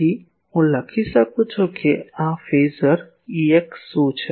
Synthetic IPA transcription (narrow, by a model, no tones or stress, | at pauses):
i | õlɐkʰisɐkot͡ʃʰokeãːfeːzəɾ | eksoːt͡ʃʰ